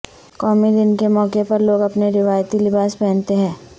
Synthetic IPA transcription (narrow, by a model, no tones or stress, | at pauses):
kɔːmid̪ɪnkemɔːkepɐɾloːɡɐpneɾɪʋaːjt̪ilɪbaːspɛ̃ːnt̪eɦɛ̃ː